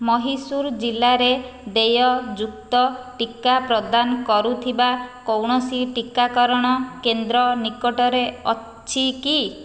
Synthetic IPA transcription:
mɔɦisuɾd͡ʒilaɾed̪ejɔd͡ʒuk̚t̪ɔʈikapɾɔd̪anɔkɔɾut̪ʰibakowɽ̃ɔsiʈikakɔɾɔɽ̃ɔkend̪ɾɔnikɔʈɔɾeɔ | t͡ʃʰiki

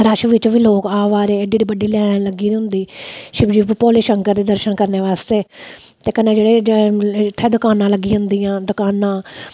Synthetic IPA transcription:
ɾaːʃʋɪt͡ʃʋiːloːkaːʋaːɾeːɛɖiːɖiːbəɖiːlɛːnləɡiːɦʊ̃nd̪iːʃɪbd͡ʒiːpɔːleːʃəŋkəɾd̪iːd̪əɾʃənkəɾneːʋaːst̪eː | t̪eːkənẽːd͡ʒeːɽeːɪt̪ʰːɛːd̪ʊkaːnãːləɡiːɦʊ̃nd̪iːãːd̪ʊkaːnãː

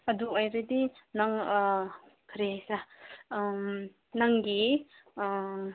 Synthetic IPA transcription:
ɐduɔjɾedinaŋ | kʰɾesa | naŋɡi

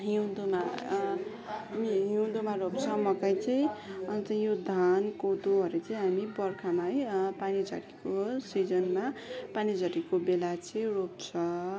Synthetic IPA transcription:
ɦiũd̪oma | miɦiũd̪omaropt͡sʰʌmʌkajt͡sʌj̃ʌnt͡sʌj̃jod̪ʱankod̪oʌɾet͡sãĩɦamibʌrkʰamaʌjpanid͡zʌ̰ɽikosid͡zʌnmapanid͡zʌɽikobelat͡sʌj̃rop̚t͡sʰʌ

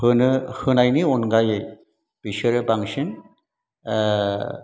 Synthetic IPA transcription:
hɯnɯhɯnajniɔnɡajej | b̥isɯɾɯbaŋsɯn

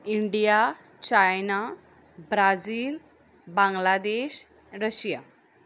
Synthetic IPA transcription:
iɳɖija | t͡ɕajna | bɾad͡ziːl | bãŋɡlad̪eɕ | ɾəɕja

